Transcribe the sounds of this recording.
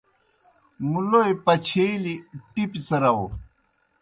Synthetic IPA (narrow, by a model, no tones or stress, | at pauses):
muloipɐt͡ɕʰeliʈipit͡sɐɾɐo